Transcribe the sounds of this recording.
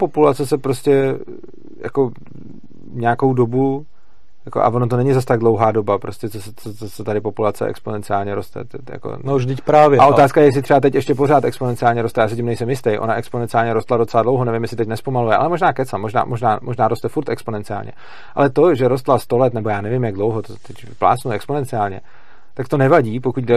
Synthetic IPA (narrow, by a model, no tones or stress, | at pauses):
po̞pulat͡sɛsɛpɾoscɛ | ja̰ko̞ | ɲeako̞wdo̞bu | jako̰ʔa̰vonot̪onɛɲɪzas̬t̪aɡdlo̞wɦaːdo̞bapɾoscɛt͡sosɛt͡sot͡sosɛt̪adɪpo̞pulat͡sɛ̰ʔɛ̰ksponɛnt͡sɪaːlɲɛɾo̞st̪ɛ̰t̪ɛja̰ko̰ʒvdɪcpɾaːvjɛaʔot̪aːskajɛjɛs̬ɪt̪r̥ɛat̪̬ɛcɛʃcɛp̬o̞ɾaːt̪ɛksponɛnt͡sɪaːlɲɛɾost̪ɛjaːsɛcɪmnɛjsɛmjɪst̪ɛjʔo̞̰naʔɛksponɛnt͡sɪaːlɲɛɾost̪lado̞t͡sɛladlowɦonɛvɪmjɛsɪt̪ɛcnɛspo̞malujɛʔa̰lɛmo̞ʒnaːkɛt͡samoʒna̰ːmoʒna̰ːmʔoʒnaːɾost̪ɛfuɾt̪ɛkspo̞nɛnt͡sɪa̰ːlɲɛ̰ | ʔa̰lɛt̪o̞ʒɛɾo̞st̪last̪o̞lɛt̪nɛbo̞jaːnɛvɪmjaɡ̚dlowɦot̪ot̪ɛc | pla̰ːt͡snuɛksponɛnt͡sɪaːlɲɛ̰ | t̪akt̪o̞nɛvaɟiːpokuc̚ɡdɛ